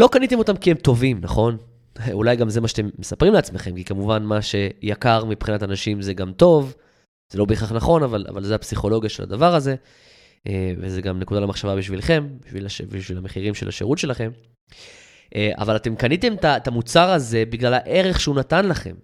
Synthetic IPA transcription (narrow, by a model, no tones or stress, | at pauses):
lo̞kanit̪emo̞tamkiemt̪o̞vimna̰χo̞n | ulajɡamzemaʃat̪emːesapʁimleat͡sme̞χe̞mkikamuvanmaʃe̞jakaʁmipχinat̪anaʃimzeɡamt̪o̞v | z̥elo̞beːχaχnaχo̞navala̰valzeapsiχo̞lo̞ɡjaʃelʔa̰davaʁaze̞ | ʔevezeɡamne̞kudalemaχʃavabiʃvilχe̞mbiʃvilaʃebiʃvilameχiʁimʃelʔa̰ʃeʁut̪ʃe̞laχe̞m | ʔea̰valat̪e̞mkanit̪e̞mt̪atamut͡saʁaze̞biɡlalaʔe̞ʁe̞χʃeunat̪anlaχe̞̰m